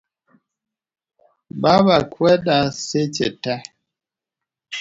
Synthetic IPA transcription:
babakwɛdaset͡ʃɛ̰ta

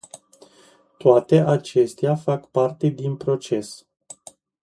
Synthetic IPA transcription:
t̪oat̪e̞ʔat͡ʃe̞st̪eafakpart̪e̞d̪inpɾo̞t͡ʃe̞s

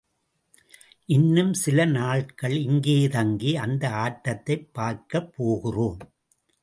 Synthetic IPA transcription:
ʔɪnːɯmsɪlɐnaːɭkɐɭɪŋɡeːðɐŋɡiɐnd̪ɐaːʈːɐt̪ːɐɪpːaːɾkɐpʰːoːɣɪroːm

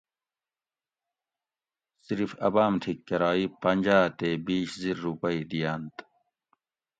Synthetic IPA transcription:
siɾifɐ̰baːmt̪ʰikːɐɾaːipɐnʲd͡ʑaːt̪eːbiːɕziɾːupɐid̪ijaːnt̪

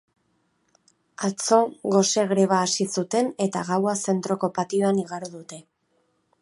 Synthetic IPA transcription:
at͡so̞ɣo̞se̞ɣɾe̞β̞aːsisut̪e̞ne̞t̪aɣawase̞nt̪ɾo̞ko̞pat̪io̞aniɣaɾuðut̪e̞

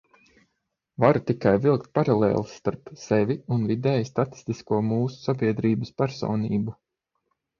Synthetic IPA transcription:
vaɾut̪ikajvilˠk̚t̪̚paɾalˠɛ̰ːlˠsːt̪aɾpsɛvʲiunvid̪ɛːjst̪at̪i̥st̪iskuɔmuːsu̥sabiɛd̪ɾiːbəspæɾso̰ːniːbu

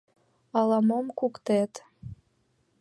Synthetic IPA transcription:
ɑlɑmomkukt̪et̪

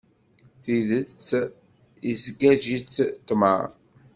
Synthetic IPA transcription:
θiðət͡sː | izɡæʒit͡sːt̪ːmə̰ɾˤ

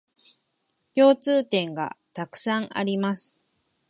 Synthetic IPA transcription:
kʲo̞ːt͡sɨːt̪ẽ̞ŋɡa̰t̪akɯ̟̥sãŋa̰ɾʲimasɨ̥

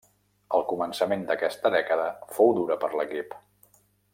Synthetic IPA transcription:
əlˠkumənsəmend̪əkɛst̪əðɛkəðəfowd̪uɾəpəɾləkip

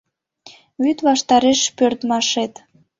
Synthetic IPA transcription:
βyt̪βɑʃt̪ɑɾeʃpørt̪mɑʃet̪

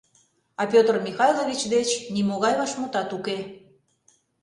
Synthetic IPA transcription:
ɑpʲot̪rmʲixɑjloβʲit͡ɕd̪et͡ɕnimoɣɑjβɑʃmut̪ɑt̪uke

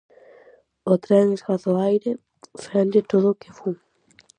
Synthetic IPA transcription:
ot̪ɾɛŋesɣaθoajɾɪ | fɛnd̪ɪt̪oðʊkɪfuŋ

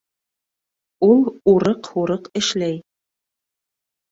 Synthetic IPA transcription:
ulˠuɾɤqhuɾɤqɘ̆ʃlæj

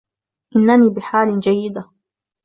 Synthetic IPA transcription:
ʔɪnːaniːbɪħaːlɪd͡ʒajːɪd̪a

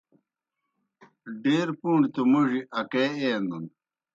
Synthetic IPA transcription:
ɖeːɾpuːɳɖt̪umuʐiʔɐkeːeːnun

